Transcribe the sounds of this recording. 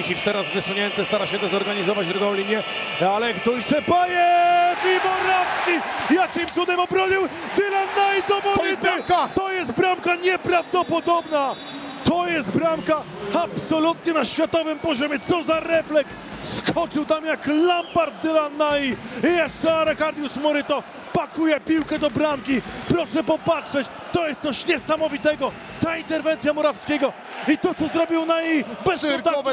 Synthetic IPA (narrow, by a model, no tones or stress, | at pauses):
ixʲifst̪ɛɾazvɘsuɲɛnt̪ɪst̪aɾaɕɛd̪ɛzɔɾɡaɲizɔvad͡ʑd̪ɾuɡɔ̃w̃lʲiɲjɛ | alɛkd̪ɔjsɛpajɛmʲimɔɾafskʲijat̪imt̪sud̪ɛmɔbɾɔɲiwd̪ɪlanːajd̪ɔmɔit̪t̪ɔjɛst̪̚bɾamkaɲɛpɾavd̪ɔpɔd̪ɔbna | t̪ɔjɛst̪bɾamka | apsɔlut̪ɲɛnaɕfʲjat̪ɔvɘmpɔʑɔmʲjɛt̪sɔzaɾɛflɛks | skʰɔt͡ʂɨwt̪amjaklambaɾd̪ɪlanaijɛsaɾɛkaɾd̪ʲjusmɔɾɘt̪ɔ | pakujɛpʲiwkɛd̪ɔbɾamkʲipɾɔʂɛpɔpatʂɛt͡ɕ | t̪ɔjɛst̪sɔɕɲɛsamɔvʲit̪ɛɡɔ | t̪aint̪ɛɾvɛnt̪sʲjamɔɾafskʲɛɡɔ | it̪ɔt̪sɔzɾɔbʲiwnajejbɛsɔt̪a